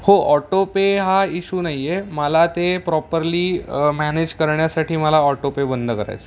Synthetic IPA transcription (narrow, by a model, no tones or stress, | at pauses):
hoʔɔʈopeɦaiɕuːnaijeməlat̪epɾɔpəɾliːmæned͡ʑkəɾɳjasaʈʰiːməlaɔʈopebənd̪ʱəkəɾa̰jt͡se